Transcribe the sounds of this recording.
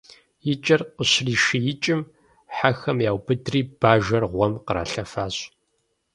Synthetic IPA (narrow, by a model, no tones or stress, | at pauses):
jɪt͡ʃʼɐrqəɕriːʃijɪt͡ʃʼɪm | ħaxɐmjaːwbɨdriːb̥aːʒɐrʁʷɔmqəɾa̰ːɬɐfaːɕ